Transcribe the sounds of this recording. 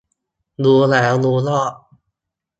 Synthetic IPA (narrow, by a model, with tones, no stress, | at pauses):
lu˧˦lɛː˩˦˥wlu˧˦lɔ˥˩